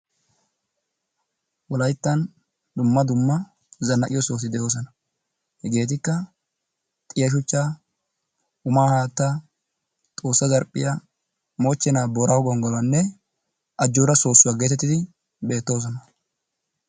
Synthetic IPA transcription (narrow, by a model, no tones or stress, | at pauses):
wɔlɐjt̪ːɐn | d̪ʊmːɐd̪ʊmːɐ | zɐnːɐʔɪjɔso̞ːs̬ɪd̪ɛjo̞ːs̬ɔnɐ | hɛɡe̞ːt̪ɪkːɐ | t̪ʼɪjɐʃ̬ʊt͡ʃːa | ʊmaːhaːt̪ːa | t̪ʼo̞ːsːɐzɐɾpʼːɪ̰jɐ | mo̞ːt͡ʃːɛnaːboːɾɐwɡɔŋɡɔlɐnːɛ | ʔɐd͡ʒːoːɾɐso̞ːsːʊwaːɡet̪ɛt̪ːɪd̪ɪ | be̞ːt̪ːo̞ːs̬ɔnɐ